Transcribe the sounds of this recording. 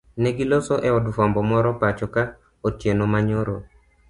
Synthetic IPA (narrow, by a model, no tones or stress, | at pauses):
nɛɡilosoʔɛɔdufɔmbɔmɔɾɔpat͡ʃɔka | otjenomaɲoɾo